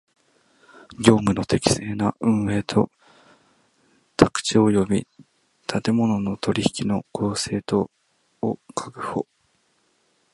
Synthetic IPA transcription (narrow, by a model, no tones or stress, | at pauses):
ɡʲo̞ːmɯ̟no̞t̪e̞kʲi̥se̞ːnaɯ̟̃ɰ̃e̞ːt̪ʰo̞̰ | t̪ʰakɯ̟̥t͡ɕio̞jo̞bʲi | t̪ʰat̪e̞mo̞no̞no̞t̪o̞ɾʲiçi̥kʲino̞kʰo̞ːse̞ːt̪o̞ː | kʰakɯ̟̥ho